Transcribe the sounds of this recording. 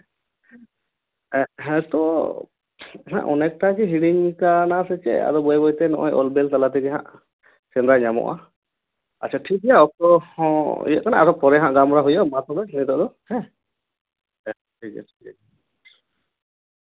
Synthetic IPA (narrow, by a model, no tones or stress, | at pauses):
ɛɦɛ̃t̪ɔ | ɦɛ̰̃ʔɔnɛk̚ʈakɛɦiɽiɲkanasɛt͡ʃɛ̰a̰d̪ɔbɔjbɔjt̪ɛnɔʔɔjʔɔlbɛlt̪alat̪ɛɡɛɦã̰ʔ | t͡ʃɛnd̪ɾaɲamɔ̰ʔa̰ | at͡ʃʰiaʈʰik̚d̪jaɔk̚t̪ɔhɔ̃ḭjəʔ̪̚kanaaɾɔpɔɾɛɦãʔɡamɾaɦujɔmat̪ɔbɛnit̪ɔʔd̪ɔhɛ̃ | ʈʰikɛ̰tʰi̥kɛ